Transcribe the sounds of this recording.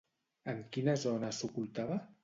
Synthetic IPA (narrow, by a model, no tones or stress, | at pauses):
əŋkinəzɔnəsukulˠt̪aβə